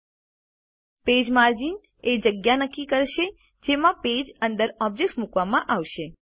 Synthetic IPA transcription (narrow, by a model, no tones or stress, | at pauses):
ped͡ʒmaɾd͡ʒin | ed͡ʒəɡjanəkːikəɾʃe | d͡ʒemãped͡ʒə̃nd̪əɾɔb̚d͡ʒek̚smukʋamãʔaʋʃe